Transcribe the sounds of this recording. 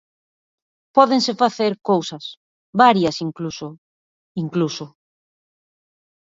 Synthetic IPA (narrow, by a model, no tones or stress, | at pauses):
pɔðeŋsefaθeɾkowsɐs | βaɾjɐsiŋkluso | iŋklusʊ